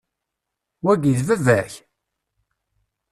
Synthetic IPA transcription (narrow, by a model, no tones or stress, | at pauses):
wæɡiðvævæç